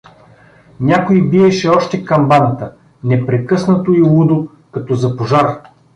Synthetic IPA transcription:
nʲakoibiɛʃɛɔʃt̪ɛkɐmbanɐt̪ə | nɛpɾɛkɤsnɐt̪oilˠud̪o | kɐt̪ɔzɐpoʒaɾ

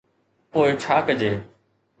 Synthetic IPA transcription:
poːɪt͡ʃʰaːkəd͡ʑeː

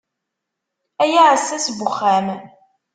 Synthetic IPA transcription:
æjaʕəsːæsbʊχːæm

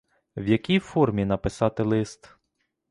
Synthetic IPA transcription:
wjɐkʲijfɔrmʲinɐpɪsɑt̪ɪlˠɪst̪

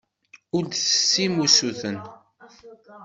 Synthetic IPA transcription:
ʊɾd̪θə̥sːimusuθən

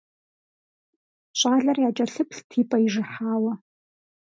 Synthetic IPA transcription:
ɕʷʼaːɮariat͡ʃʼɐɬɨpʰɬtʰiːpʼaiʐɨħaːwa

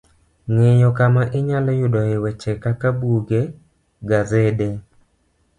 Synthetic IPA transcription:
ŋɪjɔkamaʔɪɲalɔjʊdɔɪwɛt͡ʃɛkakabuɡe | ɡazɛde

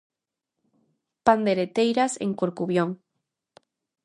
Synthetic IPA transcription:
pand̪eɾet̪ejɾasḛŋkoɾkuβjoŋ

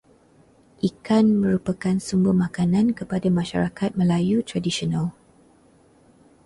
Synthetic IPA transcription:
ʔikanmə̃ɾupakansumbəmakanãnkəpadamãʃa̰ɾakat̪̚mə̃lajut̪ɾadiʃiɔnal

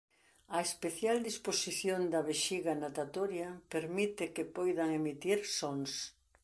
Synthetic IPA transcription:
ɐespeθjald̪isposiθjond̪ɐβeʃiɣɐnat̪at̪oɾjɐpeɾmit̪ɪkepojðaŋemit̪iɾsoŋs

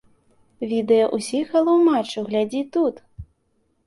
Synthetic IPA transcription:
vʲid̪ɛjɐʔusʲixɐlˠɐwmat͡ʂːɐɣlʲad͡zʲit̪ut̪

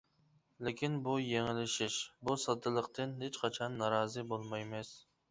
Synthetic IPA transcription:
lɪkʲʰinbujeŋɪlɪʃɪʃbusɑd̪ɨlˠəqt̪ɨnɦet͡ʃqʰɑt͡ʃʰɑnːɑɾɑːzɨbolˠmɑjmɛs

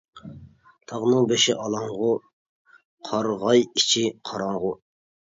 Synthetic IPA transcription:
t̪ʰɑʁnɨŋbeʃɪʔɑlˠɑŋʁʊ | qʰɑɾʁɑjit͡ʃʰiqʰɑɾɑŋʁʊ

